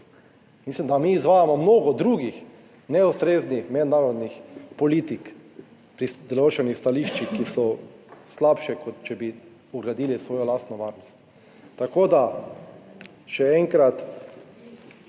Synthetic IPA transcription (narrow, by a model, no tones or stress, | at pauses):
mislimd̪amiːzʋaːjamɔmnoːɡɔd̪ɾuːɡix | nɛust̪ɾeːznixmɛd̪naːɾɔd̪nixpɔliːt̪ik | pɾid̪ɛloːt͡ʃɛnixst̪aliʃt͡ʃikisɔslapʃɛkɔt̪t͡ʃɛbi | uɡɾad̪iːlisʋoːjɔlast̪nɔʋaːɾnɔst̪ː | akoːd̪a | ʃɛɛŋkɾat̪